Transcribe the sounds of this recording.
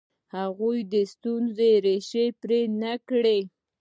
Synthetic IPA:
haɣujd̪əst̪unzeɾeʃepɾenakɽe

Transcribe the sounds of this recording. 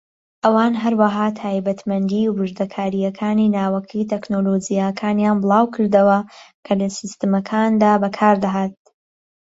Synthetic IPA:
ʔɐwaːnɦɐɾwɐɦaːt̪ʰaːjbɐt̪mɐnd̪iːbɨʒd̪ɐkʰaːɾijɐkʰaːninaːwɐkʰit̪ʰeknoloːd͡ʒijakʰaːnjaːnbɨlˠɑːwkʰɨɾd̪ɐwɐkʰɐlɐsist̪ɨmɐkʰand̪aːbɐkʰaːɾd̪ɐɦaːt̪̚

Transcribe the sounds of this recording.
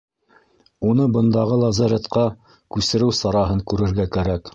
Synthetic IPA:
unɤbɤ̆nd̪ɑʁɤlˠɑzɑɾʲet̪qɑ | kʉsɘ̆ɾɘwsɑɾɑɦɤŋkʉɾɘ̆ɾɡækæɾæk

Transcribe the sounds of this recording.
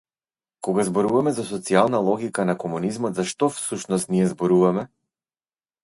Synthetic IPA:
kɔɡazbɔɾuvamɛzas̬ɔt̪sialˠnalˠɔɡikanakɔmunizmɔt̪zaʃt̪ɔfsuʃnɔst̪nijɛzbɔɾuvamɛ

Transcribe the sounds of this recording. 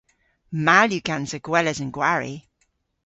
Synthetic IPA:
maljukãnzəɡ̥wɛləzə̃nɡwaɹḭ

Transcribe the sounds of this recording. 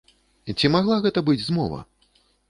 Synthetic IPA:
t͡sʲimaɣlˠaɣɛt̪ɐbɨd͡zʲzmɔvɐ̰

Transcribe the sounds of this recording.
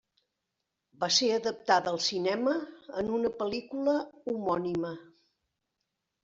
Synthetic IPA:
baseəðəp̚t̪aðəlˠsinɛməːnunəpəlikuləumɔnimə

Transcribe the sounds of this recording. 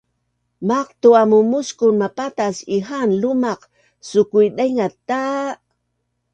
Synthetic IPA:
mɑqt̪ʊamʊmʊskʊnmapat̪asɪɦanlʊmɑq | sʊkʊjd̪ajŋat̪a

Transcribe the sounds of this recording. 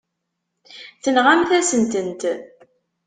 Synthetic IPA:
θənʁamθæsənt̪ənt̪

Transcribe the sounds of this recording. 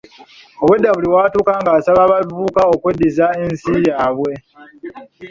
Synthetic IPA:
o̞βwe̞dːaβuliwaːtuːkaŋɡaːsaβaβavuːkaokwe̞dːizaensijaːβwe̞

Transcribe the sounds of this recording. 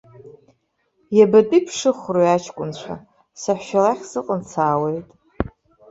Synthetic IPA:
jabatʼipʰʂɨχrojat͡ʃʰkʷʼʊnt͡ɕʷʰa̰ | saħʷʃalaχʲsɨqʼənt͡sʰaːwe̞jtʼ

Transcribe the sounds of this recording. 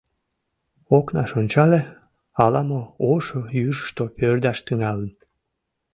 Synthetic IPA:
oknɑʃonʲt͡ɕɑle | ɑlɑmooʃojyrʃt̪opørd̪ɑʃt̪yŋɑlən

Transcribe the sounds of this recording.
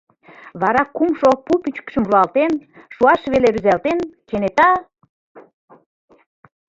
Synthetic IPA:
βɑɾɑkumʃopupyt͡ɕkʃə̆mruɑlt̪enʃuɑʃβeleɾyzælt̪enkenet̪ɑ

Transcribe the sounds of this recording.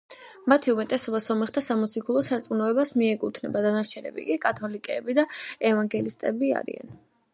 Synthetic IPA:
mat̪ʰiumɛt̪ʼɛsɔbasɔmɛχt̪ʰasamɔt̪sʰikʰulˠɔsaɾt̪sʼunɔɛbasmiɛkʼut̪ʰnɛbad̪anaɾt͡ʃʰɛnɛ̰bḭkʼikʼat̪ʰɔlikʼɛːbid̪aɛvaŋɡɛlist̪ʼɛbia̰ɾḭa̰n

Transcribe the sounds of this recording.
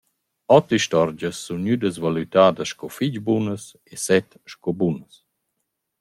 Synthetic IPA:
ɔt̪iʃtɔɾd͡ʒəsːunɲyd̪əsvalyt̪aːd̪əʃkɔfid͡ʑbunəs | esɛt̪ | ʃkɔbunəs

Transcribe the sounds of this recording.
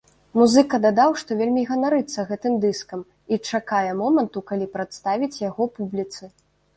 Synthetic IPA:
muzɨkɐd̪ad̪awʂt̪ɔvʲelʲmʲiɣɐnaɾɨt̪sɐɣɛt̪ɨmd̪ɨskɐm | it͡ʂakajɛmɔmɐnt̪ukalʲipɾat̪st̪avʲit͡sʲjaɣɔpublʲit̪sɨ

